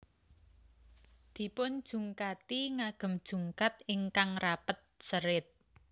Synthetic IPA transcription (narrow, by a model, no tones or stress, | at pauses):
d̪̥i̤pʊn̥ʒ̥ṳŋkat̪iŋaɡ̥ə̤md̥ʒ̥ṳŋkat̪ɪŋkaŋrapət̪̚səɾɪt̪̚